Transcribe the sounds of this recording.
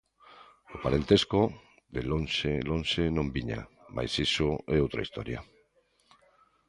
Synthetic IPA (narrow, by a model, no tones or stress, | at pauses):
opaɾent̪esko | ðelonʃelonʃenõmbiɲa̰ | ma̰jsisoeowt̪ɾa̰ist̪o̰ɾja̰